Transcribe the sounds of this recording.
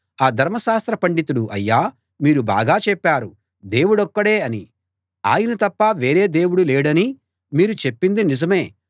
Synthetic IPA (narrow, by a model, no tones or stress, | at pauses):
aːd̪ʱɐɾmɐʃaːst̪ɾɐpɐɳɖit̪uɽuʔɐ̰jːaː | miːɾuba̰ːɡaːt͡ʃɛpːaːɾu | d̪e̞ːwuɽɐkːɐɽe̞ːɐni | a̰ːjɐnɐt̪ɐpːɐʋe̞ːɾe̞ːd̪e̞ːwuɽuleːɽɐni | miːɾut͡ʃe̞pːind̪inizɐme̞ː